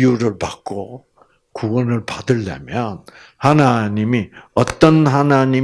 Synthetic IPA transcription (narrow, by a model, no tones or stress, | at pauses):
juɾɯɭpak̚k͈o | kuwʌnɯɭpadɯɭːa̰mjʌn | hanaɲimiʌt͈ʌnɦanaɲi